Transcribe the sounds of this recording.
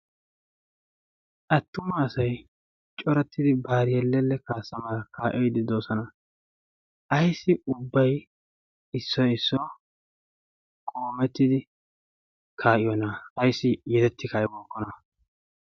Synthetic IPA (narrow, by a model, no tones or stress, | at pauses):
ʔɐt̪ːʊmɐːsɐj | t͡ʃʼɔɾɛt̪ːɪd̪ɪbaːɾɪjɛlːɛlːɛkaːsːɐmɐɾɐkʰaːʔɛjd̪ɪd̪oːsɔnɐ | ʔɐjsːɪʊbːɐj | ɪsːɔɪsːɔ | kʼoːmɛt̪ːɪd̪ɪ | kʰaːʔɪjɔnɐɐjsːɪjɛd̪ɛt̪ːɪkaːjɛbɔːkːɔnɐ